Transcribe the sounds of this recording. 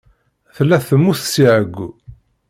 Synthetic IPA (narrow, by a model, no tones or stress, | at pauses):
θlːæθəmːuθsiʕəɡʷː